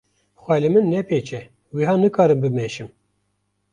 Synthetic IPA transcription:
xʷæːlemɨnːɛpʰeːt͡ʃɛ | wiɦɑːnɨkʰɑːɾɨmbɨmeʃɨm

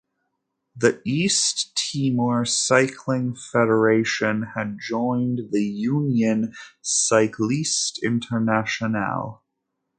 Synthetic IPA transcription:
ðiisttʰiməɹsaɪkʰlɪ̃ŋfɛɾə˞eɪʃɨ̃nɨd̚d͡ʒɔ̃ɪ̃nðɨjʉ̃njɨ̃nsaɪkʰlˠistɪ̰̃ntʰə˞næʃɨnə̰lˠ

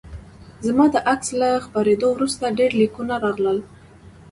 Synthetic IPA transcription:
zmɑd̪əʔakslaxpɑɾed̪owɾust̪aɖeɾlikunaɾɑɣləl

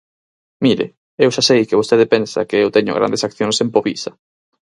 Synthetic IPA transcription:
miɾɪ̰ | ewʃasejkɪβost̪eðɪpensɐ̰kɪewt̪ɛɲʊ̰ɣɾa̰nd̪esakθjonsẽmpoβisɐ

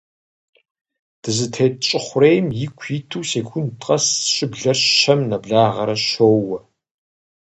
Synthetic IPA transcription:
d̥ɨzɨtʰeːt͡ʃʼɪχʷʊrejmjɪkʷʰiːtʰuːseːkʷʰʊntʰʼqʼɐsɕʼɪbɮɐrɐmnɐbɮaːʁɐɾɐʃoːwɐ

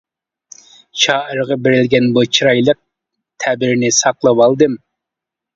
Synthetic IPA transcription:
t͡ʃʰɑːʔəɾʁɑbɪɾɪlɡʲɛnbot͡ʃʰiɾɑjlˠəq̚ | t̪ʰæbɪɾnɪsɑqlˠɑpɑlˠd̪ɨm

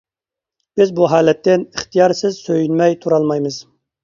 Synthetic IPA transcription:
b̥ɪzbuɦɑːlɛt̪ːɪniχt̪ʰijɑɾsɪzsøjynmɛjt̪ʰuɾɑlˠmɑjmɨz̥

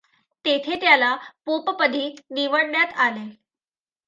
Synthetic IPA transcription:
t̪et̪ʰet̪jalapopəpəd̪ʱiːniʋəɽɳjat̪ale

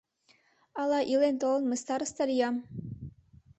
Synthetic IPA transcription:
ɑlˠɑʔilent̪olˠɤ̆nməst̪ɑɾəst̪ɑɾijɑm

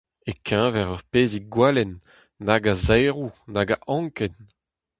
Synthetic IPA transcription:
ekʰɛ̃vɛʁœʁpeːziɡwalɛnː | aɡazɛjʁunaɡaʔɑ̃ŋkɛn

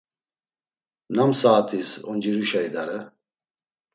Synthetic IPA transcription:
namsaːt̪ʰisɔnd͡ʒiɾuʃaid̪aɾɛ

